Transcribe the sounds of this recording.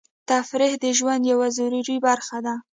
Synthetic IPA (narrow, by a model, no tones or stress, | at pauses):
t̪afɾihd̪əʒwand̪jawazuɾuɾibaɾxad̪a